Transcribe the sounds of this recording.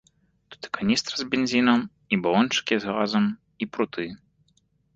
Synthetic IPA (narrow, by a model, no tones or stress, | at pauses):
t̪u̥t̪ɨ̥kanʲist̪ɾɐzʲbʲenʲzʲinɐm | ibalˠɔnt͡ʂɨ̥kʲizɣazɐm | ipɾut̪ʰɨ